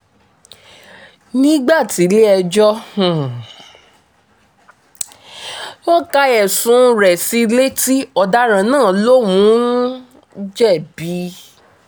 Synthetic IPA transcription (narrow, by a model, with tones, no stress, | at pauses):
nĩ˦ɡ͡ba˦˨ti˨˦le˦ɛ˧d͡ʒɔ˦hũ˨ | wo˦ka˧ɛ˨sũ˨˦ɾɛ˨si˧le˦ti˦ɔ˧da˦ɾ̃ã˨˦nãː˦˨lo˦wũ˨˦ | d͡ʒɛ˦˨bi˨˦